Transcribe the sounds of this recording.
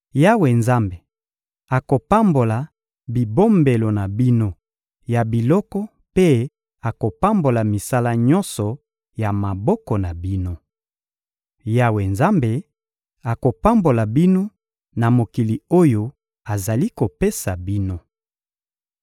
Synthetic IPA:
ja˦we˨nza˦mbe˨ | a˨ko˨pa˦mbo˨la˨ | bi˨bo˦mbe˨lo˨na˨bi˦no˦ | ja˨bi˨lɔ˦kɔ˦ | pe˦ | a˨ko˨pa˦mbo˨la˨mi˨sa˦la˦ɲɔ˦nsɔ˨ | ja˨ma˨bɔ˦kɔ˨na˨bi˦no˦ | ja˦we˨nza˦mbe˨ | a˨ko˨pa˦mbo˨la˨bi˦no˦ | na˨mo˨ki˨li˨o˦jo˦ | a˨za˨li˦ko˨pe˦sa˨bi˦no˦

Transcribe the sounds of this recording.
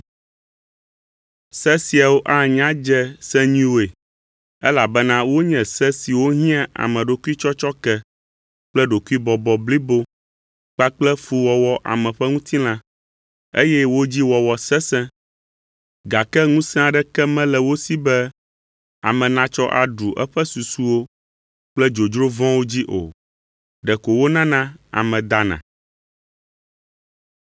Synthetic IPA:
sɛ̃˦si˨a˨wo˦ʔa˦˨ɲã˦d͡ʒɛ˦sɛ̃˦ɲĩ˦wo˨e˨ | ɛ˦la˨bɛ˦nã˦wo˦ɲɛ̃˨sɛ˦si˨wo˦ɦĩ˦ã˦ʔa̰˨mɛ̃˨ɖo˨ku˦i˦t͡ʃɔ˦t͡ʃɔ˦kɛ˦ | k͡plɛ˦ɖo˨ku˦i˦bɔ˨bɔ˨bli˦bo˦ | k͡pa˦k͡plɛ˦fu˨wɔ˨wɔ˨˦ʔa̰˨mɛ̃˨ɸɛ˦ŋũ˦t̪ʰi˦l̃ã˦ | ḛ˦jɛ˦wo˦d͡ʑi˦wɔ˨wɔ˨sɛ̃˦sɛ̃˦ | ɡa˨kɛ˦ŋũ˦sɛ̃˦a˨ɖɛ˦kɛ˦mɛ̃˦lɛ˨wo˦si˦bɛ˦ | a̰˨mɛ̃˨nã˨t͡ʃɔ˦ʔa̰˨ɖu˨ʔɛ̰˦ɸɛ˦su˨su˦wo˦ | k͡plɛ˦d͡ʒo˨d͡ʒɾo˦vɔ̃˦wo˦d͡ʑi˦ʔo̰˨ | ɖɛ˨ko˨wo˦nã˦nã˦a̰˨mɛ̃˨d̪a˦nã̰˨

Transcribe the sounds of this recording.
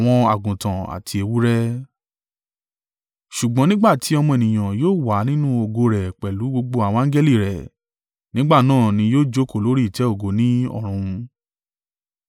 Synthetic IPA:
w̃ɔ̃˧a˨ɡũ˨tã˨a̰˨tʰi˧e˧wu˦ɾɛ˦ | ʃu˨ɡ͡bɔ̃˨˦nĩ˦ɡ͡ba˦˨ti˨˦ɔ˧mɔ̃˧e˨nĩ˨j̃ã˨joː˦˨wa˨˦nĩ˦nũ˦o˧ɡo˧ɾɛ˨k͡pɛ˨lu˨˦ɡ͡bo˧ɡ͡bo˧a˨w̃ɔ̃˧ã˦d͡ʒɛ˦li˦˨ɾɛ˨ | nĩ˨˦ɡ͡ba˦˨nãː˦˨nĩ˧joː˦˨d͡ʒo˦ko˦˨lo˨˦ɾi˦i˨tɛ˨˦o˦˨ɡo˨˦nĩ˦ɔ̰˦˨ɾ̃ũ˧

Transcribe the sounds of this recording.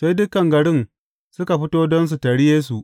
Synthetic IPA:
ʃa˦jdʊ˦kːɐ˨ŋɡɐ˨ɽɪ˦n | sʊ˦ka˨ɸɪ˦toː˦dɔ˦ns̬u˨tɐ˨ɽi˦jeː˦s̬u˨ʔ

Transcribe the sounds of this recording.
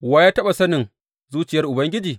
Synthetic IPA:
waː˦jaː˦tɐ˦ɓa˨sɐ˦nɪ˨ŋ | zuː˦t͡ʃɪ˨jɐ˦rʔʊ˨bɐ˦ŋɡʲɪ˦d͡ʒiː˨

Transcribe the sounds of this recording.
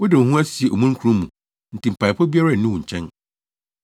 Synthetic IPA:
wʊ˦dɪ˨hũ˦æ˦si˨e˨ʔo˨mũ˦ŋ˦kʰu˨ɾũ˦mũ˨ | n̩˨tʰi˨m̩˨pʰa˨ɪ˨pʰɔ˦bi˦a˦ɾa˦˨nʊ̃˦wũ˨ɲ̩˨t͡ɕʰɛ̃˦n

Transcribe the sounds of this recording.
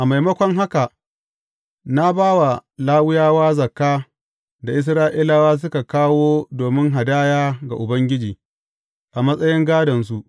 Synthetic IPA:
ʔa˨ma˨jmɐ˦kʷɔ˦ŋɦa˦ka˨ | na˦baː˦wa˨laː˦wʊ˦jaː˦waː˦zɐ˨kːaː˦ | da˨ʔɪ˦s̬ɾaː˦ʔi˦la˦waː˦s̬ʊ˦ka˨kaː˦woː˦doː˨mɪ˦ŋɦa˨daː˦jaː˦ɡa˨ʔʊ˨bɐ˦ŋɡʲɪ˦d͡ʒiː˨ | ʔa˨mɐ˦sʼɐ˦jɪ˦ŋɡaː˦dɐ˨ns̬u˦ʔ

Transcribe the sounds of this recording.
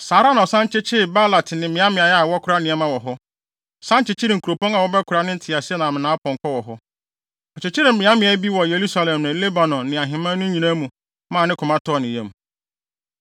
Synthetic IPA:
saː˨ɾa˦nã˨ɔ˨sã˦ɲt͡ɕɪ˦t͡ɕʰɪ˦˨ba˦la˨tʰnɪ̃˨mɪ̃˨˦ã˦mɪ̃˨a˨ja˦a˨wɔ˦kʰʊ˦ɾa˦nɪ̃˨ɛ˦mã˦wɔ˨ɦɔ˦ | sã˦ɲ˦t͡ɕɪ˨t͡ɕʰɪ˦ɾɪ˨ŋ̩˨kʰu˨ɾo˨pɔ̃˦ŋa˨wɔ˦bɛ˦kʰʊ˨ɾa˦nɪ̃˦n̩˦tʰɪ˨a˨sɪ˦ɛ˦nã˨mɪ̃˨nã˨˦pʰɔ̃˨ŋ˨kʰɔ˦wɔ˨ɦɔ˦ | ɔ˨t͡ɕɪ˨t͡ɕʰɪ˦ɾɪ̃˨mɪ̃˨˦ã˦mɪ̃˨˦ɛ˦bi˦wɔ˨je˨ɾu˦sa˦lɛ̃˨mnʊ̃˨˦le˦ba˨nɔ̃˨nnɪ̃˨a˨ɦɪ̃˨mã˦nʊ̃˦ɲĩ˨nã˦mũ˨ | mã˦˨nɪ̃˦kʰʊ˨mã˦tʰɔ˦˨nɪ̃˨jɛ̃˦m

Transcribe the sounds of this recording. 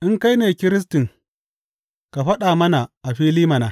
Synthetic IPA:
ʔɪ˦ŋka˦jneː˨kʲɪ˦ɾɪ˦s̬tɪ˨ŋ | ka˨ɸɐ˦ɗaː˨mɐ˦na˨ʔa˨ɸiː˦liː˦ma˨naː˨˦

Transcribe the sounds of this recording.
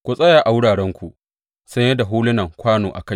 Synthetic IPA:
kʷu˨sʼɐ˦jaː˨ʔa˨wʊ˦ɽaː˨ɽɛ˦ŋkʷu˨ʔ | sɐ˦ɲjɐ˦da˨ɦuː˦lɪ˦nɐ˨ŋkʷaː˦noː˨ʔa̰˨ka˦j

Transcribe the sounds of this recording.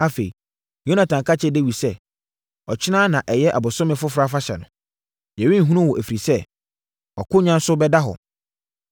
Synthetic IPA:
a˦fe˨ḭ˨ | jo˦nã˨tʰã˨ŋkʰa˦t͡ɕʰɛ˦de˦wi˨sɛ˦ | ɔ˨t͡ɕʰɪ˦nãː˦nã˨ʔɛ˨jɛ˦ʔa˨bʊ˨sʊ̃˦mɪ̃˨fʊ˦fɾa˦fa˦ɕɛ̰˨nʊ̃˨ | jæ̃˨ɥĩ˦˨ɦũ˦nʊ̃˦wɔ˨æ˨fi˨ɾi˨sɛ˦ | ɔ˨kʰʊ˦ɲã˦n˦sʊ˦bɛ˦da˦ɦɔ̰˨

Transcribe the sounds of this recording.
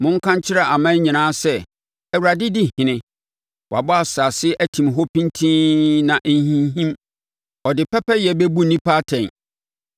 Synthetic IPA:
mʊ̃˦ŋ̩˦kʰã˦ɲ˦t͡ɕʰɪ˦ɾa˨a˨mã˦ɲĩ˨nãː˦sɛ˦ | æ˨wu˨ɾa˨dɪ˦dɪ˦hɪ̃˨nɪ̃˦ | wa̰˨bɔ˦a˨sa˨sɪ˦ʔæ˦tʰĩ˨mɦɔ˦pʰĩ˦ntʰĩː˦nã˨ʔn˦ɦĩ˦nɦĩ˦m | ɔ˨dɪ˨pʰɛ˦pɛ˦jɛ˨bɛ˦bu˦˨nĩ˦pʰaː˦tʰɛ̃˨n

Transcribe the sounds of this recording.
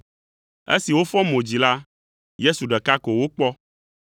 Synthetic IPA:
ḛ˦si˨wo˦fɔ˦mõ˨d͡ʑi˨la˦ | je˦su˨ɖɛ˨ka˦ko˨wo˦k͡pɔ˦

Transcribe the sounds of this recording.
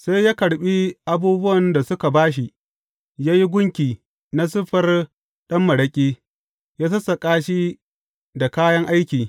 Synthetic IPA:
sa˦jjaː˦kɐ˨ɽɓi˦ʔa˦buː˦bʊ˦wɐ˨nda˨sʊ˦ka˨baː˦ʃ̬i˦ | jaː˦ji˦ɡʷʊ˦ŋkʲiː˨ | na˦sʊ˦ɸɐ˦r | ɗɐ˦mːɐ˨ɽɐ˦kʲʼiː˦ | jaː˦s̬ɐ˦sɐ˨kʼaː˦ʃi˦ | da˨kaː˦jɐ˦ŋʔa˦jkʲiː˨

